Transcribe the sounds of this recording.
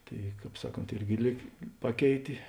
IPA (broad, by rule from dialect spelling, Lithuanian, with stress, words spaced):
ˈtɐɪ ˈkɑːp ˈsɑːˌkoːnt ˈɪrʲɡʲɪ ˈlʲiːk ˈpɑːˌkʲɛɪtʲeː